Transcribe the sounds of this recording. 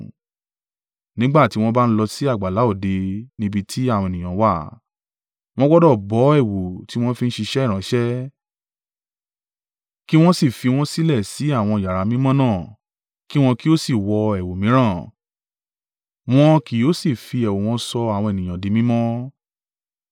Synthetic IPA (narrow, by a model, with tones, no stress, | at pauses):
nĩ˨˦ɡ͡ba˦˨ti˨˦w̃ɔ̃˦ba˦˧n̩˦lɔ˧si˦a˦˨ɡ͡ba˨la˨˦o˦˨de˧nĩ˦bi˧tʰi˦a˦˨w̃ɔ̃˧e˨nĩ˨j̃ã˨˦wa˦˨ | w̃ɔ̃˦ɡɔ˦dɔ˦˨bɔ˨˦ɛ˦˨wo˨ti˦w̃ɔ̃˦fi˦n̩˦ʃi˧ʃɛ˦˨ɾã˨˦ʃɛ˦ | ki˦w̃ɔ̃˦si˦˨fi˧w̃ɔ̃˦si˦lɛ˦˨si˨˦a˦˨w̃ɔ̃˧i˨ja˨ɾa˨˦mĩ˦mɔ̃˦nãː˦˨ | ki˦w̃ɔ̃˧ki˦o˦si˦˨wɔ˧ɛ˨wo˨mĩ˨˦ɾ̃ã˦˨ | w̃ɔ̃˧ki˨˦o˨˦si˦˨fi˧ɛ˨wo˨w̃ɔ̃˧sɔ˧a˨w̃ɔ̃˧e˨nĩ˨j̃ã˨di˨˦mĩ˦mɔ̃˦